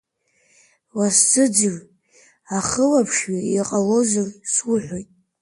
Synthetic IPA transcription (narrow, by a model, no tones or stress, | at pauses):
wasd͡zɨd͡zɨr | aχəlapʰʂɥaiqʼalo̞zarswʊħʷᶣojtʼ